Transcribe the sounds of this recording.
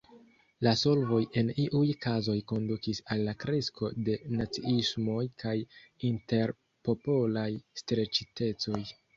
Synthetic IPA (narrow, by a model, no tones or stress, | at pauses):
laso̞lvo̞jʔe̞niʔujkazo̞jko̞ndukisalːakɾesko̞de̞nat͡siismo̞jkʰajinte̞ɾ | po̞po̞lajstɾe̞t͡ʃite̞t͡so̞j